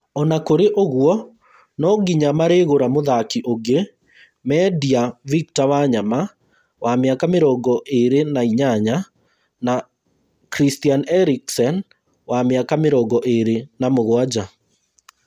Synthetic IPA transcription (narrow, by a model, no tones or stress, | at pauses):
ɔnakoɾeʔoɣwɔ | nɔɡiɲamaɾeɣoɾamoðakiʔoɡe | mɛdiavik̚tawaɲama | wameakameɾɔɡɔʔeɾenaiɲaɲa | na | kɾistianɛɾiksɛn | wameakameɾɔɡɔʔeɾenamoɣwad͡ʑa